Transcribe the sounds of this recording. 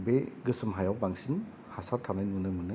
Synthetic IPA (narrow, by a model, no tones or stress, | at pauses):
beɡɯsɯmɦajawbaŋsin | hasaɾtʰanajnmunɯmɯnɯ